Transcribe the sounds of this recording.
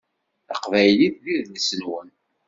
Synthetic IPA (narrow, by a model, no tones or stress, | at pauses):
ə̰qvæjliððiðləsənwən